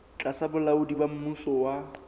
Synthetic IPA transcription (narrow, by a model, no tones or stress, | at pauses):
t͡ɬʼasabʊlaʊdibam̩musɔwa